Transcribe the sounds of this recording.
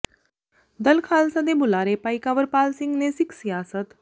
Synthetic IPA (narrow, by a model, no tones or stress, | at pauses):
d̪əlkʰaːlsəd̪ebulaɾepajkaʋəɾpaːlsiŋɡnesiksiaːsət̪